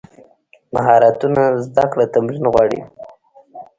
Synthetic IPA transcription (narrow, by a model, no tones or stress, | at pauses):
maɦɑɾat̪unazd̪akɽat̪amɾinɣwɑɽḭ